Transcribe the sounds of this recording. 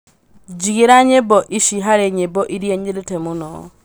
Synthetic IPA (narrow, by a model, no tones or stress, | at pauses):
d͡ʒiɡeɾaɲebɔʔiʃiɦaɾeɲebɔʔiɾjɛɲeletɛmʊnɔ̰